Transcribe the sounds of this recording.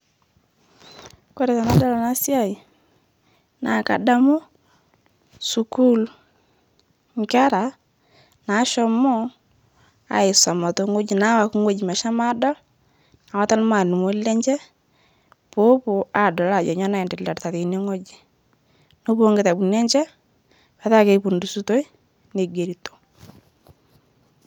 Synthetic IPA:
ko˦ɾɛ˨ta˨na˨dɔ˦la˨na˦sja˦˨i˨ | na˨ka̰˨da˦mo˦ | su˨ku˦l | ŋka˦ɾa˨ | na˨˦ʃɔ˦mɔ˦ | a̰˨ɪ˨sɔ˨mɔ˨to˦ŋo˦d͡ʒi˨na˨˦wa˨kŋo˦d͡ʒi˨ma˨ʃa˦ma˦dɔ˦ | a˨wa˦ta˦lma˨nu˨mo˦lːɛ˦ɲd͡ʒɛ˦ | po˦po˨a˨dɔ˨la˨d͡ʒɔ̰˨ɲɔ˦na˦˨i˨ndɪ˨lːa˨ɾta˨ðe˨ne˦ŋo˦d͡ʒi̥˨ | no˦po˦ŋɡe˨ta˨bu˨nɛ˦ɲt͡ʃɛ˦ | pa˨ta˦˨ke˦pu˨ndu˨su˦to˦i˦ | ne˨ɡe˨ɾi˨to̥˨

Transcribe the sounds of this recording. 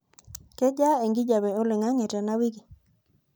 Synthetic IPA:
kɛ˦d͡ʒa˦e˨ŋɡi˦d͡ʒa˨wɛ˨o˦lɪ˨ŋa˦ŋɛ˨tɛ˨na˦wi˦ɡi˨

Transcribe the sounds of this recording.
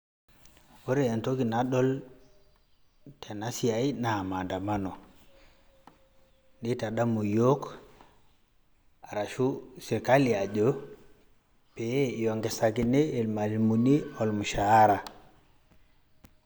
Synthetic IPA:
wo˦ɾe˦a˨nto˦ɡi˨na˨ɗo˦l | tʰe˨na˦si˨a˨ina˨ma˨nda˨ma˦no˨ | ɗi˦ta˨ɗa˦mu˨jo˦k | a˨ɾa˨ʃu˦si˨ɾka˦li˨a˨d͡ʒo˦ | pe˨e˦jo˨ŋɡe˨sa˨ɡi˦neː˦˨lma˨li˨mu˨ni˦o˨lmu˨ʃa˨a˦ɾa˨

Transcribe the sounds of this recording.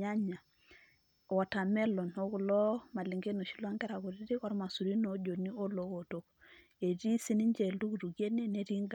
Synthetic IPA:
a˦ɲa˨ | wɔ˨ta˨mɛ˦lɔ˨no˦ku˨lɔ˦ma˨li˨ŋɡe˦no˨ʃi˦lwa˦ŋɡɛ˦ɾa˨ku˨ɾi˦ɾi˦kɔ˦ɾma˨su˨ɾi˦no˦d͡ʒo˨ni˦o˦lo˨˦wo˨to˨k | e˨ɾi˦si˦ni˦ɲd͡ʒe˨ldu˦ɡu˨tu˨ɡi˦e˦ne˦ne˦ɾi˦ŋɡa˦

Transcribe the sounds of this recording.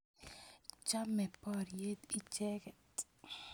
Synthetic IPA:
t͡ʃa˦mɛ˨pɔ˦˨ɾje˦t̪i˦t͡ʃɛ˦kɛ˨t

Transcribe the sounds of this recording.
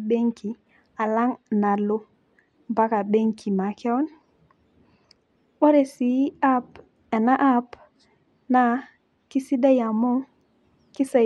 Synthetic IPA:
ɓe˦ŋki˨ | a˨la˦ŋna˨lo˦ | mba˦ka˨ɓe˦ŋkʰi˨ma˨ke˦o˦n | ɓo˦ɾe˨si˨˦a˦p | e˨na˦ʔa˦p | na˦ | ki˦si˦da˦ja˨mo˦ | ki˦sa˨

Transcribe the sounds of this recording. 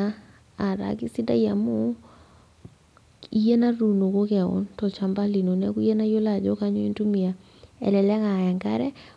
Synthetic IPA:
aː˨ | ɾa̰ki˦si˦da˦ja˨mo˦ | i˦je˦na˦ɾu˨no˨ko˦kɛ˨ɔ̰˨ntɔ˨t͡ʃa˨mba˦li˨no˨nɛ˦ku˦je˦na˦jo˦la˨d͡ʒɔ˦ka˦ɲɔ˦i˦ntu˦mi˨a˨ | ɛ̰˨lɛ˨lɛ˦ka˨ja˨ŋka˦ɾɛ˦

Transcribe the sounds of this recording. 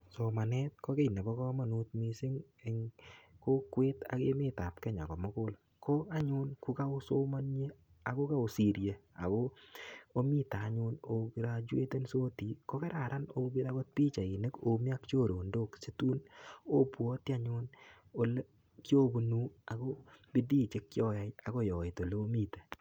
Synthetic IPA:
so˨ma˨nɛ˦t̚ko˦ke˦i˨ne˨bɔ˦kɔ˦ma˨nu˦t̚mi˦sɪ˦ŋ | e˨ŋko˦kweː˦ta̰˨ke˦mɪ˦ta˨p̚kɛ˦ɲa̰˨kɔ˨mo˦kʊ˦l | kʰo˦a˦ɲʊ˦nku˦ka˦o˦so˦ma˦nɲe˦ | a˨ko˦ka˦o˨si˨ɾje˨a̰˨ko˦o˦mi˦ta˨˦ɲʊ˧no˨ki˨ɾa˦d͡ʒwḛ˦te˦nso˦ti˨˦ko˦kɛ˦ɾa˨ɾʔa˦no˦bi˦da˦ɡo˦t̚pi˦t͡ʃa˨i˨ne˦ko˨mi˦a˦kt͡ʃo˦ɾo˨ndoː˦kse˦tu˦no˦pwɔ˦ti˦a˦ɲʊ˦n | o˨l | kjo˦bu˨nu˦a˨ko˦b̥i˦diː˦t͡ʃe˦kːjɔ˦ja˦ja˨ko˦jɔ˨ɪ˨to˨le˦o˦mi˦te˨

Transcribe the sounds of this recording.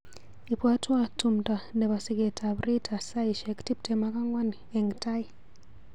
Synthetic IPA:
i˨pwa˦twa˦tu˨mta˨ndɛ˨βa˨si˦ɡe˨tʰa˨bɾi˦tʰa˨sa˦i˨ʃɛ˨kti˦p̚tɛ˨ma˦ka˦ŋwa˦n | ɛ˨ŋɡta˦i˨

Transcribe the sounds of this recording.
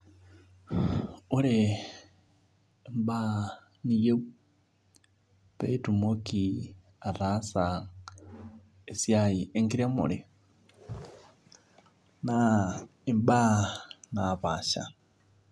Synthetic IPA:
u˦ɾe˨ | mba˦ | ni˦je˦ | pe˦i˦tu˨mo˦ki˨ | a˨ɾa˦sa | e˨sja˦i˨e˦ŋɡi˦ɾa˦mṵ˨ɾi˨ | na | i˨mba˦na˨βa˨ʃa̰˨

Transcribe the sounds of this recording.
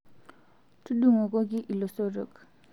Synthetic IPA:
tu˦duŋɔ˨ɡɔɡi˦ʔi˨lɔsɔɾɯ̰˨k

